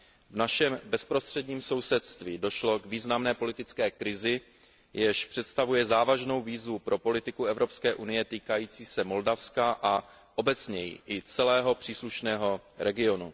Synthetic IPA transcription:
vnaʃɛmbɛspɾo̞st̪r̝̥ɛdɲiːmso̞wsɛt̪st̪viːdo̞ʃlo̞ɡviːznamnɛːpo̞lɪt̪ɪt͡skɛːkɾɪzɪ | jɛʃpr̥ɛt̪st̪avujɛzaːvaʒno̞wviːzvupɾʔo̞po̞lɪt̪ɪkuɛvɾo̞pskɛːʔunɪjɛt̪iːkajiːt͡siːsɛmo̞ldafskaʔa | ʔo̞bɛt͡sɲɛjḭʔɪt͡sɛlɛːɦo̞pr̥iːsluʃnɛːɦo̞ɾɛɡɪo̞nu

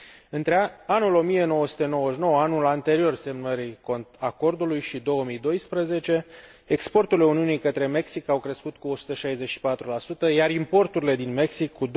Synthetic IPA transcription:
ɨnt̪ɾeanulo̞mije̞no̞wəsu̥t̪e̞no̞wəʃno̞wəanulant̪e̞ɾio̞rse̞mnəɾikont̪ako̞rd̪ulujʃid̪o̞wəmijd̪o̞jspɾəze̞t͡ʃe̞ | ekspo̞rt̪uleuniunijkət̪ɾe̞me̞ksikawkɾe̞skut̪kuo̞su̥t̪əʃajze̞t͡ʃʃi̥pat̪ɾulasut̪əjaɾimpo̞rt̪uɾile̞d̪inme̞ksikʰːud̪

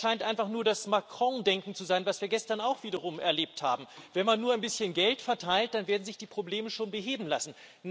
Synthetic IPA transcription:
aɪntʔaɪnfaχnuːɐdasmakʁ̥ɔ̃dɛŋkŋ̩t͡suzaɪnvasv̥iːɐɡɛstɐnaʊxv̥iːɾɐʁ̞ʊmɛ̰ɐleːp̚tha̰ːbm̩vɛnmanːuːɐaɪnbɪsçənɡɛltfɛɐtʰaɪlt̚d̥anveːɐdn̩zɪçd̥iːpʁ̥obleːməʃoːnbəɦeːbm̩lasn̩

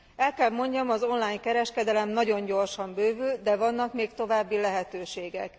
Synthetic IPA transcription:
ɛlkɛlmo̞ɲɟɒmɒzo̞nlaːɲkɛɾɛʃkɛd̪ɛlɛmnɒɟo̞ɲɟo̞rʃɒmbøːvyld̪ɛvɒnːɒkmeːkt̪o̞vaːbːilɛɦɛt̪øːʃeːɡɛ̰k

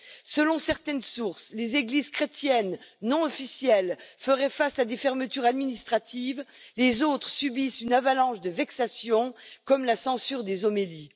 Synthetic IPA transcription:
səlɔ̃sɛʁt̪ɛnsuʁslezeɡlizkχet̪jɛnːɔ̃ɔfisjɛlfəʁɛfasad̪efɛʁmət̪yʁad̪minist̪χat̪ivlezot̪χəsybisynavalɑ̃ʒd̪əvɛksasjɔ̃kɔmlasɑ̃syʁd̪ezomeli

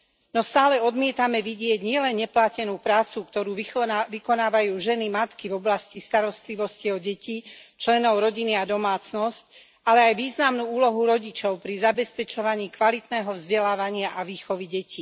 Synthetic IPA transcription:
nɔst̪aːlɛɔd̪mɪɛt̪amɛʋiɟɪɛɟɲɪɛlɛnɲɛplacɛnuːpɾaːt͡sukt̪ɔɾuːʋikɔnaːʋajuːʒɛnimat̪kivɔblascist̪aɾɔst̪liʋɔsciɔɟɛciːt͡ʃlɛnɔʊɾɔɟiniad̪ɔmaːt͡snɔsc | alɛajʋiːznamnuːuːlɔɦuɾɔɟit͡ʃɔʊpɾizabɛspɛt͡ʃɔʋaɲiːkʋalit̪nɛːɦɔvzɟɛlaːʋaɲɪaʔaʋiːxɔʋiɟɛciː

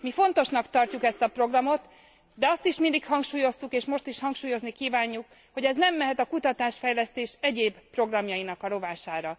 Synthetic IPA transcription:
mifo̞nt̪o̞ʃnɒkt̪ɒrcukɛst̪ɒpro̞ɡrɒmo̞t̪ | d̪ɛɒst̪iʃmind̪ikhɒŋkʃuːjo̞st̪ukeːʃmo̞ʃt̪iʃhɒŋkʃuːjo̞znikiːvaːɲːuk | ho̞ɟɛznɛmːɛɦɛt̪ɒkut̪ɒt̪aːʃfɛjlɛst̪eːʃɛɟeːbpro̞ɡrɒmjɒinɒkɒlo̞vaːʃaːɾɒ

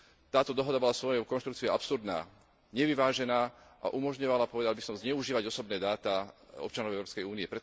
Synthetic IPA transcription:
t̪aːt̪ɔd̪ɔɦɔd̪abɔlasʋɔjɔkɔnʃt̪ɾuk̚t͡siɛapsuɾd̪na̰ː | ɲɛʋiʋaːʒɛnaːʔa̰ʔumɔʒɲɔʋalapɔʋɛd̪albisɔmzɲɛuʒiːʋaɟɔsɔbnɛːd̪aːt̪a | ɔ̰p̚t͡ʃanɔʊɛʊɾɔːpskɛjuːniɛpɾɛ

